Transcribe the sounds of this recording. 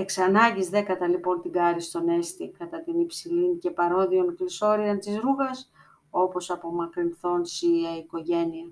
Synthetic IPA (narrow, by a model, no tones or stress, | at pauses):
eksɐnɐɟizðekɐt̪ɐlipo̞nt̪iɡɐɾist̪o̞ne̞st̪ikɐt̪ɐt̪inipsilince̞pɐɾo̞ðionkliso̞ɾiɐnt̪izɾuɣɐs | o̞po̞sɐpo̞mɐkɾinθo̞nsiɐiko̞ʝe̞niɐ